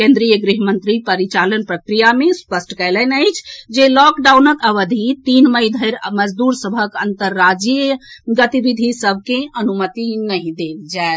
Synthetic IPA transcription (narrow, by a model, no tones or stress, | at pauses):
kẽnd̪ɾijəɡɾiɦmənt̪ɾipəɾit͡ʃalənpɾəkɾijamespəsʈkəɪlənəjt͡ʃʰd͡ʒelɔkɖawnəkəʋəd̪ʱit̪inməjd̪ʱəjɾməd͡ʒd̪uɾsəbʱəkənt̪əɾːad͡ʒijɡət̪ibid̪ʱisəb̚ʱkeənumət̪inəɦĩd̪ebd͡ʒae